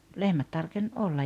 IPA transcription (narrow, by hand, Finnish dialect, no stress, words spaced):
lehmæt tɑrken ʔolːɑj